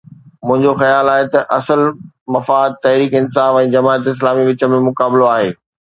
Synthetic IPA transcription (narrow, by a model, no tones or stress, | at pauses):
mʊ̃ɦɪ̃ɲd͡ʑoxɐjaːlaːɦet̪ɐʔɐsəl | mɐfaːd̪̚t̪ɐɦɾiːkɪnɪsaːfɛ̃ːd͡ʑɐmaːət̪ɪs̬laːmiʋɪt͡ɕə̆mẽmʊkaːbɪloaːɦḛː